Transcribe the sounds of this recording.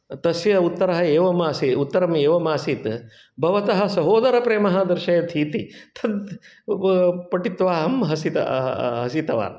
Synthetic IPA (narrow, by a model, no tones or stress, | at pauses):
t̪ɐsjɐut̪ːɐɾɐɦɐeːʋɐmaːsiut̪ːɐɾɐmeːʋɐmaːsit̪ | bʱɐʋɐt̪ɐɦɐ̆sɐɦoːd̪ɐɾɐpɾeːmɐɦɐd̪ɐɾʃɐjɐt̪ʰiːt̪it̪ʰɐd̪ | pɐʈit̪ʋaːɦɐmɦɐsit̪ɐ̰ɦɐsit̪ɐʋa̰ːɾ